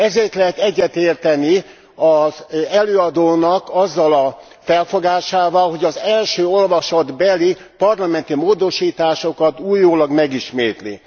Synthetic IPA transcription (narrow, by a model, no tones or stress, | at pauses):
ɛzeːrt̪lɛɦɛt̪ɛɟːɛt̪eːrt̪ɛni | ɒzɛløːɒd̪oːnɒkɒzːɒlɒ | fɛlfoɡaːʃaːvɒlɦo̞ɟɒzɛlʃøːo̞lvɒʃɒd̪bɛlipɒrlɒmɛnt̪imoːd̪o̞ʃiːt̪aːʃo̞kɒt̪uːjːoːlɒɡmɛɡiʃmeːt̪lḭ